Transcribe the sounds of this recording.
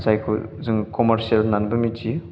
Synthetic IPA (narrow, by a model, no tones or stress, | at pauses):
sajkʰṵzɯŋkɔmaɾsialnanbɯmit͡ʃi